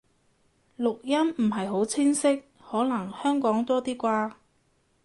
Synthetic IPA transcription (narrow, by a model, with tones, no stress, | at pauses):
lʊ˨k̚jɐ˥m̩˨˩ɦɐ˨jɦo˨˥wt͡sʰɪ˥ŋsɪ˥k̚ | hɔː˨˥nɐ˨˩ŋhœː˥ŋkɔː˨˥ŋt̪ɔː˥t̪iː˥kʷaː˧